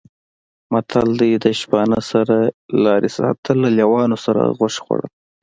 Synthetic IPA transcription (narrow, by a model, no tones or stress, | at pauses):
mat̪ʰald̪əjd̪əʃbɑnəsaɾalɑɾesɑ̰t̪ʰəlːaljawɑnosaɾa̰ɣʊʃxo̰ɽə̰l